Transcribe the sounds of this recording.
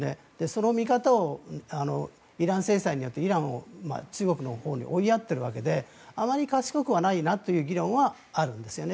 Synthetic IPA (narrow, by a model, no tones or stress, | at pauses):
ne̞̰ | d̪̥e̞so̞no̞mʲikat̪aoano̞ | iɾãɰ̃se̞ːsaiɲ̟ijo̞t̪ːe̞iɾãɰ̃o̰ma̰t͡ɕɨːɡo̞kɯ̟no̞ho̞ːɲ̟ḭʔo̞iat̪ːe̞ɾɯ̟βake̞d̪e̞ | amaɾʲikaɕi̥kokɯ̟βanainat̪ːo̞jɯ̟ːɡʲiɾõ̞ɰ̃βaː | ɾɯ̟̃nd̪e̞sɨjo̞ne